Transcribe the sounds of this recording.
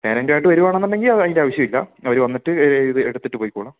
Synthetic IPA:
neːɾendeaːiʈːɨʋɐɾuʋaːɳenːɐlːe̞ŋɡilɐɐðiŋndeaːʋɐɕjɐmilːɐ̰ɐʋɐɾʋɐnːiʈːɨiðɨeɽut̪ːiʈːɨpo̞ːjikːuːɭɐm

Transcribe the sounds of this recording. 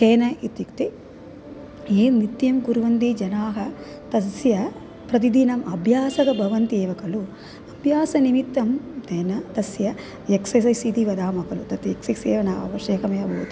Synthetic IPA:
keːnɐit̪jukt̪i | eːnit̪jɐmɡuɾʋɐnd̪id͡ʒɐnaːɦɐ | t̪ɐsjɐ | pɾɐt̪̬id̪inɐmʔɐbʱjaːsɐɡɐbʱɐʋɐnt̪ieːʋɐkɐlu | ɐbʱjaːsɐnimit̪ːɐmt̪eːnɐt̪ɐsjɐ | jeksɐs̬ɐsid̪iʋɐd̪aːmɐkɐlut̪ɐt̪eksikseːʋɐnaːɐ̰ʋɐʃeːkɐmɐjɐbʱoːt̪u

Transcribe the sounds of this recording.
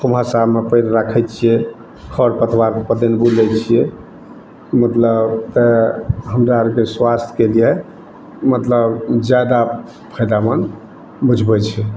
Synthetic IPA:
kʰumɦasamepəjɾɾakʰɛt͡ʃʰijɛ | kʰəɾpət̪ʰwaɾpəd̪enbulɛt͡ʃʰijɛ | mət̪ləbt̪ɛɦəmɾaɾkeswast̪ʰkelijɛ | mət̪ləbd͡ʒad̪a | pʰəjd̪amən | bud͡ʒʱbɛt͡ʃʰɛ

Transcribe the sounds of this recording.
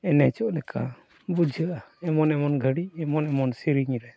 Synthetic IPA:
ɛnɛt͡ʃɔʔlɛka̰ | bud͡ʒʱəʔaɛmɔnɛmɔnɡʱəɽiɛmɔnɛmɔnsiɾiɲɾɛ

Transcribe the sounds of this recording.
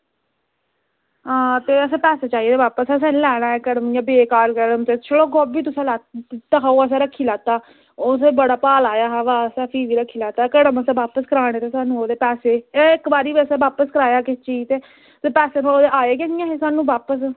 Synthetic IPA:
ɦãːt̪eːəsẽːpɛːseːt͡ʃaːiːd̪eːʋaːpəssɛ̃ːnlɛːɽ̃aːɛːkəɽəmijãːbeːkaːlkəɽəmt̪eːt͡ʃʰəɽoːɡoːbiːt̪ʊsãːlaːt̪aːɦaːoːəs̬ɛ̃ːɾəkʰːiːlaːt̪aː | oːsẽːbəɽaːpaːlaːjaːɦɛːʋaːsãːpʰiːʋiːɾəkʰːiːlaːt̪aːkəɽəməsẽːʋaːpəskəɾaːɽ̃eːt̪eːsaːnũːoːd̪eːpɛːseːeːɪkbaːɾiːbiəsẽːʋaːpəskəɾaːjaːkɪt͡ʃiːt̪eː | t̪eːpɛːseːnoːoːd̪eːʔaːeːk̬ɛːnɪjãːɦeːsaːnũːbaːpəs̬

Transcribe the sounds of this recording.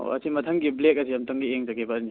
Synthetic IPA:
o̰ɐ̰simɐtʰɐŋɡiblek̚ɐsiɐmtɐŋɡieŋzaɡebɐɾni

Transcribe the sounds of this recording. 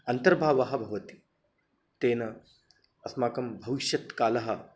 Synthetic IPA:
ɐnt̪ɐɾbʱaːʋɐɦɐ̆bʱɐʋɐt̪i̥ | t̪eːnɐ | ɐsmaːkɐmbʱɐʋiʃjɐt̪kaːlɐɦɐ̆

